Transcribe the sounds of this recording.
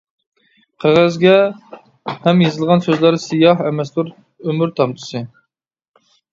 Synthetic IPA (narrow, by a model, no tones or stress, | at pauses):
qʰæʁæzɡʲɛ | hɛmjezɨlˠʁɑnsøzlˠɑɾsɨjɑɦɛmɛslˠuɾ | ømyɾt̪ʰɑmt̪ʰɨ̥sɨ